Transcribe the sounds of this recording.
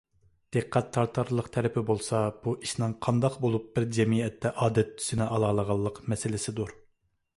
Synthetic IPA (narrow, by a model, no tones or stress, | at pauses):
d̪̥eqʰːæt̪ʰːɑɾt̪ʰːɑɾlˠəqt̪ʰɛɾɪpʰɪbolˠsɑb̥uʔiʃnɨŋqʰɑnd̪ɑqbolˠup̚b̥ɪɾd͡ʒɛmiɛt̪ʰːɛʔɑːd̪ɛt̪ːʰy̥sɪnɪʔɑlˠɑːlˠəʁɑlˠːəqmɛsɪlɪsɪd̪uɾ